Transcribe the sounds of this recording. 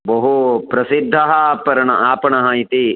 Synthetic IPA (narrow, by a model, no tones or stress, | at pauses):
bɐɦupɾɐsid̪ʱːɐɦɐpɐɾɐɳɐʔaːpɐɳɐɦɐit̪i